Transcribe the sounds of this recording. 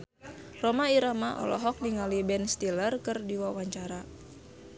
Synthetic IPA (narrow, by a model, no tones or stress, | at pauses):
rɔmaiɾamaʔɔ̰lɔ̰ɦɔk̚niŋalibɛnst̪ilərkɨrdiwawaɲt͡ʃaɾa